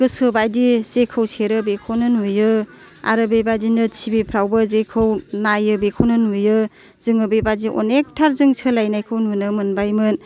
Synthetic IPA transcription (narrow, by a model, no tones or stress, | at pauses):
ɡɯsɯbajdizekʰɯwseɾɯbekʰownɯnujɯ | a̰ɾɯbebadinɯt͡ʃʰibepʰɾawbɯzekʰɯwnajɯbekʰownɯnujɯ | z̥ɯŋɯbebaziʔɔ̰nek̚tʰaɾzɯŋsʰɯlajnajkʰɯwnunɯmɯnbajmɯn